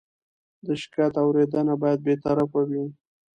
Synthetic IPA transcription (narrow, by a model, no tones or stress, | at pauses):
d̪əʃɪ̥kajat̪awɾed̪ənabɑjad̪̚bet̪aɾafawi